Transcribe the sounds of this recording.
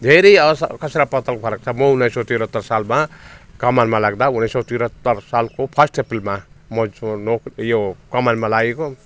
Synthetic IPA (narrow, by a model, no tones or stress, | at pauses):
d̪ʱeɾʌjʌskʌsɾapʌt̪ʌlpʰʌɾʌk̚t͡sʰʌmʌunːajsɔwt̪iɾʌt̪ːʌɾsalmakʌmanmalaɡd̪aunasowt̪iɾʌt̪ːʌɾsalkopʰʌsʈʰepilmamʌnokjokʌmanmalaɡeko